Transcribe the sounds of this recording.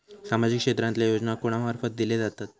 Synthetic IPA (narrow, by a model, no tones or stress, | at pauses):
samad͡ʑikʂet̪ɾãnt̪ljajod͡znakoɽ̃amaɾfət̪̚d̪iled͡zat̪at̪̚